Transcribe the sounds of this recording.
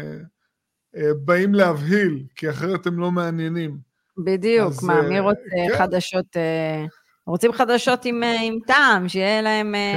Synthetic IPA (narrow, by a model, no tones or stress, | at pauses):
ebaimleavɦilkiaχeʁet̪emlo̞meanjenim | bid̪ijukmamiʁot͡seχad̪aʃo̞t̪e | ʁot͡simχad̪aʃo̞t̪imeimt̪aːmʃejelae̞me